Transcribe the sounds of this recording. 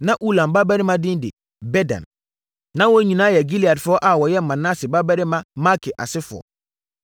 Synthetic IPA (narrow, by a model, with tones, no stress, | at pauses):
nã˦ʔu˦lã˨mba˦bɛ˦ɾɪ˦mã˦dɪ̃˦n˦dɪ̰˨ | bɛ˦dã̰˨n | nã˦wo˦ɲĩ˨nãː˦jɛ˨ɡi˦li˨a˨dfʊ˦ɔ˦ʔa˨wɔ˨jɛ˦˨mã˨nã˦sɪ˨ba˦bɛ˦ɾɪ˦mã˦ma˦kʰɪ˨ʔa̰˨sɪ˦fʊ˨ɔ̰˨